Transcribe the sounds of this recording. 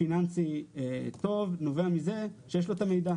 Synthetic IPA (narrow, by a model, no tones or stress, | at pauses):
inansiet̪o̞vno̞veamize̞ʃejeʃlo̞t̪amejd̪a